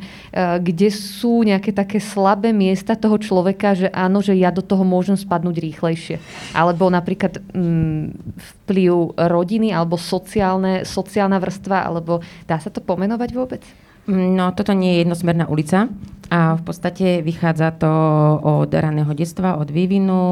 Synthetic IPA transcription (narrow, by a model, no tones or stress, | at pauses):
ɡɟɛsuːɲɛakɛːt̪akɛːslabɛːmɪɛst̪at̪ɔɦɔt͡ʃlɔʋɛkaʒɛʔaːnɔʒɛjad̪ɔt̪ɔɦɔmʊɔʒɛmspad̪nuːɟɾiːxlɛjʃɪɛʔa̰lɛbɔnapɾiːklat̪ː | fpliʊɾɔɟinialɛbɔsɔt͡siaːlnɛsɔt͡siaːlnaʋr̩st̪ʋaʔa̰lɛbɔd̪̥aːsat̪ɔpɔmɛnɔʋaɟʋʊɔbɛt͡s | nɔt̪ɔt̪ɔɲɪɛjɛjɛd̪nɔsmɛɾnaːʔulit͡saafpɔt̪t͡st̪acɛʋixaːd͡zat̪ɔɔd̪ɾanɛːɦɔɟɛt͡st̪ʋaʔɔd̪ʋiʋinu